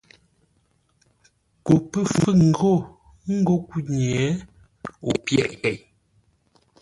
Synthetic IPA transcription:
ko˨pə˦fə˦ŋ̩˨ɡo˦˨ | ŋ̩˦ɡo˦˨ku˦ɲ˨ɛ˨˦ | o˨pjɛ̰˨ʔkɛ˨j

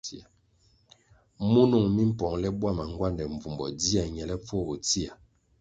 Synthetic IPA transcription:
i˦a˨ | mu˦nɔ˦˨ŋmi˦m˦pɔ˨ŋlɛ˦bwa˦ma˨ŋɡwa˦˨ndɛ˨ɱ˨vu˨mbɔ̰˨di˦a˨ɲɛ˨lɛ˦p͡fɔ˦˨bo˨ti˦a˨

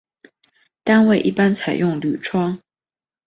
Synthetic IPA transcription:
t̪a˥nwe˥˧˩ɪʔḭ˥˩pa˥nt͡sʰa˨˩ɪjʔʊ˥˩ŋly˨˩ʈ͡ʂʰwɑ˥ŋ

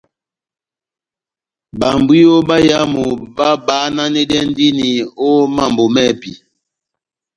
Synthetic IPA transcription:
ba˨mbwi˦o˦ba˦ja˦mu˨ba˦ba˨˦na˦nɛ˦dɛ˦n˦di˦ni˨o˦ma˦˨mbo˨mɛ˦˨pi˨

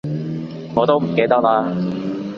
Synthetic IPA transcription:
ŋɔː˨˧t̪o˥wm̩˨˩ke˥jt̪ɐ˥k̚laː˧

